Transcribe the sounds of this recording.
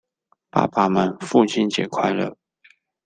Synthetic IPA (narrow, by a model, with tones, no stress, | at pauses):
pa̰˥˩pa˨˩mə˨˦nfu˥˩t͡ɕʰi˥nt͡ɕjɛ˨˩kʰwa˥˧ɪlə̰˥˩